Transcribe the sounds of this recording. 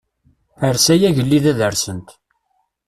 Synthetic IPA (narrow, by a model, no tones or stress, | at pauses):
əɾsæjæʝəlːiðæðəɾsənt̪